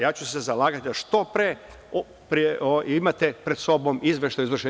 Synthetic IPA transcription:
jaːt͡ɕusezalˠaːɡat̪id̪aʃt̪o̞pɾe | pɾieʔoimat̪epɾed̪so̞bo̞mizʋeʃt̪ajuzʋr̩ʃe

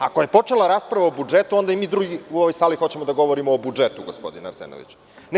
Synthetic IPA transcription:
ako̞je̞po̞t͡ʂelaɾaːspɾaʋaobud͡ʐet̪uo̞nd̪aimiːd̪ɾuɡiuoʋojsaːlixo̞t͡ɕemod̪aɡo̞ʋoɾimoːbud͡ʒet̪uɡo̰spo̞d̪ina̰ɾsḛno̰ʋḭt͡ɕ | n

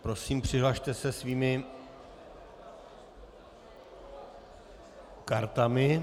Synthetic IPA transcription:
pɾo̞siːmpr̝̥ɪɦlaʃt̪ɛsɛsviːmɪ | kaɾt̪amɪ

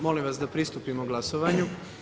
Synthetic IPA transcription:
mo̞limʋasd̪apɾist̪upimoɡlˠasoʋaɲu

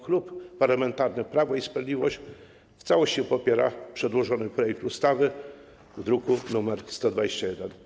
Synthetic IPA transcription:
xlupːaɾlamɛnt̪aɾnɘpɾavɔispɾad̪lʲivɔɕ | ft̪sawɔɕt͡ɕɛpɔpʲjɛɾapʂɛd̪wɔʐɔnɘpɾɔjɛk̚t̪ust̪avɘ | vd̪ɾukunumɛɾst̪ɔd̪vad͡ʑeɕt͡ɕajɛd̪ɛn

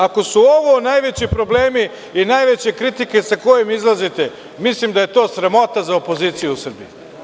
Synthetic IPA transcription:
ako̞suoʋonajʋe̞t͡ɕipɾo̞ble̞ːmi | inajʋet͡ɕekɾit̪ike̞sako̞jemizlˠazit̪e̞ | mislimd̪aje̞t̪o̞ːsɾemo̞t̪azaopo̞ziːt̪sijuusr̩biju

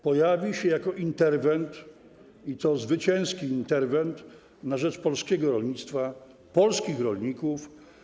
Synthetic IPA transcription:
pɔjavʲiɕɛjakɔʔint̪ɛɾvɛnt̪ | it̪ɔzvɘt͡ɕɛ̃w̃skʲiːnt̪ɛɾvɛnt̪ | naʐɛt͡ʂpɔlskʲɛɡɔɾɔlɲit̪st̪fa | pɔlskʲixɾɔlɲikuf

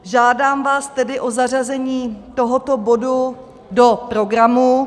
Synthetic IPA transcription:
ʒaːdaːmvaːst̪ɛdɪʔo̞zar̝azɛɲiːt̪o̞ɦot̪o̞bo̞du | do̞pɾo̞ɡɾamu

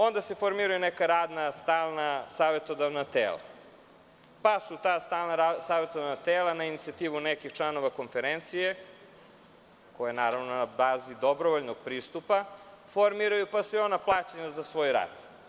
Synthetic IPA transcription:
o̞nd̪ase̞foɾmiɾajunekaɾaːd̪nast̪aːlˠnasaːʋe̞t̪o̞d̪aʋnat̪ḛːla̰ | pasut̪aːst̪aːlˠnaɾasaːʋet̪od̪avnat̪eːlˠanainit̪siat̪iːʋunekixt͡ʂlˠano̞ʋako̞nfeɾent̪sije̞ | kojajenaːɾaʋnonabaːzid̪o̞bɾoʋoʎnoɡ̚pɾiːst̪upafoɾmiɾajupasuio̞naplˠaːt͡ɕeɲazasʋo̞ːjɾa̰ːd̪

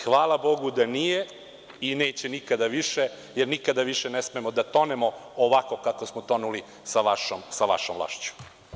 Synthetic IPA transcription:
xʋaːlabo̞ɡud̪anije | ine̞ːt͡ɕenikad̪aʋiʃe | jeɾnikad̪aʋiʃenesme̞mod̪at̪o̞nemooʋako̞kako̞smot̪o̞nuli | saʋaʃomsaʋa̰ʃomʋlˠa̰ːʃt͡ɕu̥

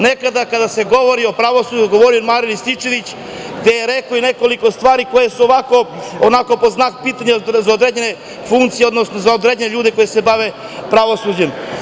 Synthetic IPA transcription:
nekad̪akad̪ase̞ɡo̞ʋoɾio̞pɾaʋo̞suːd͡ʒuɡo̞ʋoɾiomaɾinist̪it͡ʃeʋit͡ɕ | ɡd̪e̞jeɾekoine̞ko̞liko̞st̪ʋaːɾiko̞jesuoʋako̞onako̞po̞znakpiːt̪aɲezaod̪ɾed͡ʑene | fuŋkt̪sijeo̞d̪nosno̞zaod̪ɾed͡ʑeneʎuːd̪eko̞jese̞baʋe̞ | pɾaʋo̞suːd͡ʑem

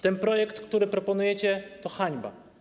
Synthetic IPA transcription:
t̪ɛnpɾɔjɛkt̪kt̪uɾɘpɾɔpɔnujɛt͡ɕɛt̪ɔxaɲba̰

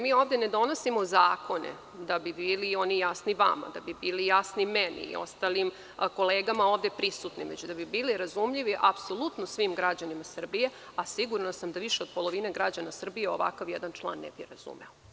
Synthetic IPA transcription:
miːoːʋd̪ene̞d̪o̞no̞simozaːko̞nḛ | d̪abibiːlio̞nijasniʋa̰ma̰d̪abibiːlijasnimɛnḭḭo̞̰st̪alim | ko̞leːɡamao̞ːʋd̪e̞pɾisut̪niʋet͡ɕd̪abibiːliɾazumʎiʋiʔapso̞lˠut̪nosʋimɡɾad͡ʑanimasr̩bije̞ | asiɡuɾnasamd̪aʋiʃeo̞d̪̚polˠo̞ʋineɡɾad͡ʑanasr̩bije̞o̞ʋa̰kaʋjɛd̪ant͡ʃlˠa̰ːnːḛbiɾa̰zṵmḛo

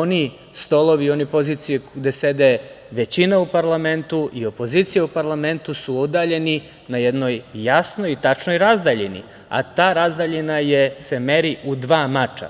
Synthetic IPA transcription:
oni | st̪olˠo̞ʋio̞nipo̞ziːt̪sijeɡd̪e̞se̞d̪eʋe̞t͡ɕinaupaɾlˠame̞nt̪uʔio̞po̞ziːt̪sijaupaɾlˠame̞nt̪usuod̪aːʎe̞ni | najed̪no̞jːasnojit̪at͡ʃnoiɾazd̪aːʎinḭ | a̰t̪aːɾazd̪aʎinaje̞se̞me̞ɾiʔud̪ʋaːmat͡ʃa̰

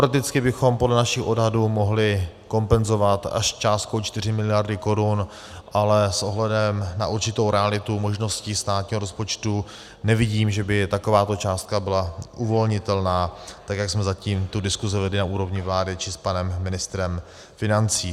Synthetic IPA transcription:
pɾokt̪ɪt͡skɪbɪxo̞mpodlɛnaʃɪxʔo̞dɦaduːmo̞ɦlɪ | ko̞mpɛnzo̞vat̪a̰ʃst͡ʃaːst̪̚kowt͡ʃt̪ɪr̝ɪmɪlɪjaɾdɪko̞ɾun | ʔalɛsʔo̞ɦlɛdɛmnaʔuɾt͡ʃɪt̪o̞wɾɛalɪt̪umo̞ʒno̞sciːst̪aːt̪̚ɲiːɦoɾo̞spo̞t͡ʃt̪u | nɛvɪɟiːmʒɛbɪt̪ako̞vaːt̪o̞t͡ʃaːst̪̚kabɪlaʔuvo̞lɲɪt̪ɛlnaːt̪akjaksmɛzaciːmt̪udɪskuzɛvɛdlɪnauːɾo̞vɲɪvlaːdɪt͡ʃɪspanɛmːɪnɪst̪ɾɛm | fɪnant͡siː

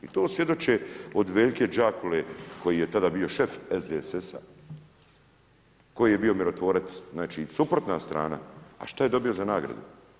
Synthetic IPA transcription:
it̪oːsʋje̞d̪o̞t͡ʃeod̪ʋe̞ːʎke̞d͡ʒaːkʰuleko̞jijet̪ad̪aːbio̞ʃe̞fezd̪esesa | ko̞jije̞bio̞miɾo̞t̪ʋo̞ɾat̪sznaːt͡ʃisupɾot̪nast̪ɾʔa̰ːna̰a̰ʃt̪aje̞d̪o̞bio̞zanaːɡɾa̰d̪ṵ

